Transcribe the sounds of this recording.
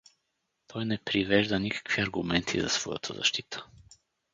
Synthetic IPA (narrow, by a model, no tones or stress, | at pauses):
t̪ʰɔjnɛpɾivɛʒd̪ənikḁkviɐɾɡumɛnt̪ʰizɐ̰svɔjə̰t̪ʰəzɐ̰ʃt̪it̪ʰə̥